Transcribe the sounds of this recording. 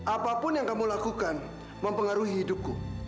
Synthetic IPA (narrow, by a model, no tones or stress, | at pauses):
ʔapapʊnjaŋkamulakukan | məmpəŋaɾuɦiːduku